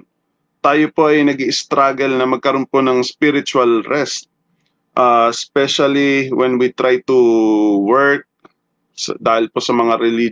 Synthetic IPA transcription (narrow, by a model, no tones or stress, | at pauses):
t̪aːjopo̞ʔɐjnɐɡiʔɪst̪ɾaːɡɛlnɐmɐɡ̚kɐɾo̞npo̞nɐŋspiɾɪt͡ʃʊɐlɾɛst̪̚ | ʔaspɛʃɐliwɛnwit̪ɾajt̪uwɛɹk̚ | sɐ̰d̪aːhɪlpo̞sɐmɐŋaɾɛli